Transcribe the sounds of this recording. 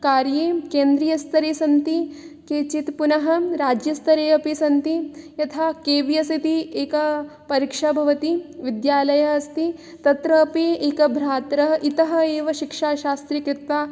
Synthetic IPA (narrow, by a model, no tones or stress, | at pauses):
kaːɾjeːkeːnd̪ɾijɐst̪ʰɐɾeːsɐnt̪i | keːt͡ʃit̪punɐɦɐɾaːd͡ʒjɐst̪ʰɐɾeːɐpesɐnt̪ijɐt̪ʰaːkeːʋjɐsit̪ieːkɐ | pɐɾikʂabʱɐʋɐt̪iʋid̪jaːlɐjɐɐst̪i | t̪ɐt̪ɾɐːpeːeːkɐbʱɾaːt̪ɾɐɦɐʔit̪ɐɦɐ̆eːʋɐʃikʂaːʃaːst̪ɾikɾɪt̪ʋaː